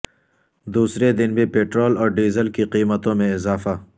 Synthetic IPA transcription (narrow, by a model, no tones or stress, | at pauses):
d̪uːsɾed̪ɪnbʱipeːʈɾoːlɔːɾɖiːzəlkiqiːmət̪õmẽɪzaːfa